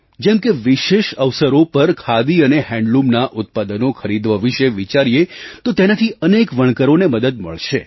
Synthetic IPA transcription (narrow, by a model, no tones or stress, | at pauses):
d͡ʒɛmkeʋiʃeʃəʋsəɾopəɾkʰad̪iənehɛ̃ɳɖlumnaʔʊt̪̚pad̪ənokʰəɾid̪ʋəʋiʃeʋit͡ʃaɾijet̪ot̪enat̪ʰiənekʋəɳ̃kəɾoneməd̪əd̪mə̰ɭʃe